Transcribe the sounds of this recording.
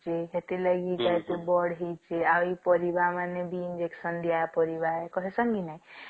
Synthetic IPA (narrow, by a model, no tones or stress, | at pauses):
d͡ʒiɦet̪eləɡikaet̪ebɔɽɦet͡ʃeaipəɾibamanebiːnd͡ʒeksənd̪ijapəɾibaekɔɦesəŋɡinaj